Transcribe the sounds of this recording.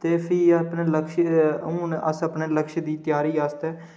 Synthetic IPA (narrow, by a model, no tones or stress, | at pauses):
t̪eːpʰiːəpneːləkʃũːnʔəsəpneːləkʃd̪iːt̪ɪjaːɾiːaːst̪ɛː